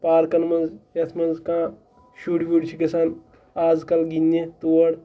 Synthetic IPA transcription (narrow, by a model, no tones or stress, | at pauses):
paːɾkɐnmɐnzjɐt̪ʰmɐnzkãː | ʃuːɽiʋoɽt͡ʃʰikɐsaːn | aːzkɐlɡinːet̪uwɐɽ